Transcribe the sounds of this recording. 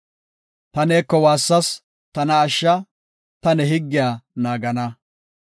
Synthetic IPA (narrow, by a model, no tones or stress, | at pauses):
t̪ɐneːkːɔwaːsːɐs | t̪ɐnɐːʃːɐ | t̪ɐnɛɦɪɡːɪjaːnaːɡɐnɐ